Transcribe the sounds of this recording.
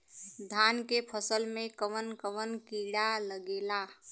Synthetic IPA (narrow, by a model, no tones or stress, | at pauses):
d̪ʱankepʰəsəlmẽkəʋənkəʋənkiɽaləɡela